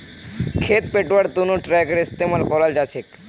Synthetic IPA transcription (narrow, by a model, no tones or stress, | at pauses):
kʰet̪̚peʈʋəɽt̪unũʈɾɛkəɾɪst̪emalkɔlald͡ʒat͡ʃʰek